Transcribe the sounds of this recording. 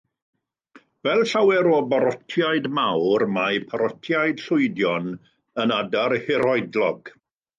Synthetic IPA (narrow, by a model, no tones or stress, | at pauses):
wɛlˠɬawɛɾoːbaɾɔtʰjaɨdmawrmajpʰaɾɔtʰjaɨd̥ɬʊɨdjɔn | ənadaɾhɪɾɔɨdlɔɡ̥